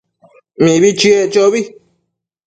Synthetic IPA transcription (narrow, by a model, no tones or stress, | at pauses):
mĩβit͡ʃiet͡ʃoβi